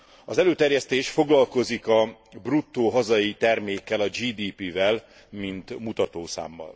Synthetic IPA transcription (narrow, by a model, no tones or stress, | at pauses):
ɒzɛløːt̪ɛrjɛst̪eːʃfo̞ɡlɒlko̞zikɒ | brut̪ːoːɦɒzɒjit̪ɛrmeːkːɛlɒd͡ʒiːd̪iːpiːvɛl | mint̪mut̪ɒt̪oːsa̰ːmːɒ̰l